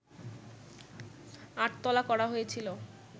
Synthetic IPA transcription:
aʈt̪ɔlakɔɽaɦojet͡ɕʰilo

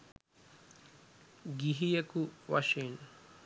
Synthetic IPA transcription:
ɡiɦijəkuʋa̰ʂen

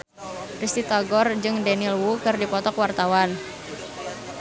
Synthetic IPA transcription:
rist̪it̪aɡɔrd͡ʒɨŋdanilwukɨrdipɔt̪ɔkwart̪awan

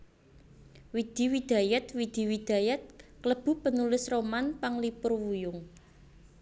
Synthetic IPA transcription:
wid̪̥i̤wid̪̥a̤jɛt̪̚wid̪̥i̤wid̪̥a̤jɛt̪̚kləb̥ṳpənulɪsromanpaŋlipʊrwujʊŋ

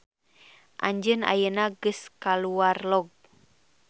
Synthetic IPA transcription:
ʔa̰ɲd͡ʒəna̰jənaɡəskaluarlɔɡ̚

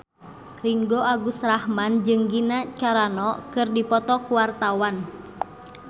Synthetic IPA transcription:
riŋɡoʔaɡusrahmand͡ʒɨŋɡinat͡ʃaɾanɔkɨrdipɔt̪ɔkuwart̪awan

